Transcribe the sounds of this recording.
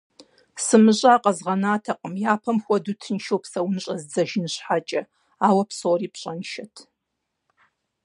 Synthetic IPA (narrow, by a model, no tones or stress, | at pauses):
sɨmɨʑʼaːqʼɐzʁɐnaːtʰɐqʼəmjaːpʰɐmxʷɔdutʰɨnʃowpsɐwnɨɕʼɐzd͡zɐʒnɨɕħat͡ʃʼɐ | aːwɐpʰsoːriːpʰɕʼɐnʃɐtʰ